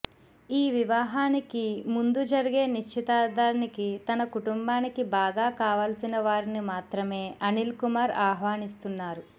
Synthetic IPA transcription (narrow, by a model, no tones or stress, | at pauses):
iːʋiʋaːɦaːnikimund̪ud͡ʒɐɾiɡe̞ːniʃt͡ʃʰit̪aːd̪aːɾɐnikit̪ɐnɐkuʈumbaːnikibaːɡaːkaːʋaːlsinɐʋaːɾinimaːt̪ɾɐme̞ːɐnilkumaːɾaːɦʋaːnist̪unːaːɾu